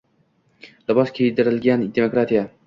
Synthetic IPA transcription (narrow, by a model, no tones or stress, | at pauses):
lɪbɒskʲʰejd̪ɪɾɪlɡʲand̪emokɾat̪ʰija